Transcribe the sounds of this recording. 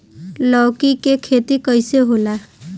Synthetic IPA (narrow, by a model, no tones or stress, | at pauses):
lɔwkikekʰet̪ikəjseɦola